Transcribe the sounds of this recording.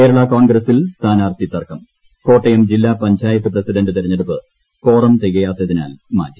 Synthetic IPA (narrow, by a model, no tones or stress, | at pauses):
ke̞ːɾɐɭɐkoːɳɡɾɐsilst̪ʰaːnaːrt̪it̪ːɐrkɐm | ko̞ːʈːɐjɐmd͡ʑilːaːpɐɲd͡ʑaːjɐt̪ːɨprɐsiɖɐndɨt̪iɾɐɲːeɽupːɨ | ko̞ːrɐmt̪eɣɐjaːt̪ːɐðina̰ːlma̰ːtːɐ